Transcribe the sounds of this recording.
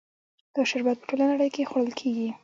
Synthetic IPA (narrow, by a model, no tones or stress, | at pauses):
d̪̥əʃaɾbat̪̚pə̥ʈolanaɽəjkexwoɽəlkʰeɡi